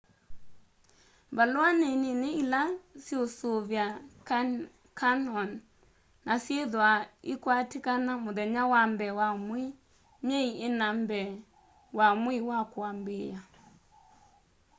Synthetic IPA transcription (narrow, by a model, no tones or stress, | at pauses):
mbaloaneneneilasiosoβjak | kanɔnː | asjeðwaikwatikanamoðɛɲawambɛwamwe | ɲeienambɛ | wamwiwakwambeja